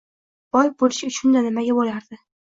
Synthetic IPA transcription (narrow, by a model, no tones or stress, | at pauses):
b̥ɒjbolɪʃʊt͡ʃʰʊnd̪anɪmaɡʲabolaɾd̪ɪ